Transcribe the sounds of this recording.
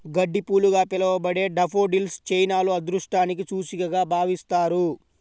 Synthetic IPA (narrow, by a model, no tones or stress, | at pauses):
ɡɐɖːipuːluɡaːpilɐʋɐbɐɽe̞ːɖɐpʰoːɖilst͡ʃɐjnaːluɐd̪ɾuʂʈaːnik̬it͡ʃuːsiɡɐɡaːbʱaːʋist̪aːɾu